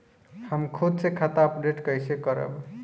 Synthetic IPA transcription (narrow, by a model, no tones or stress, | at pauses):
həmkʰud̪sekʰat̪aəpɖeʈkəjsekəɾə̰b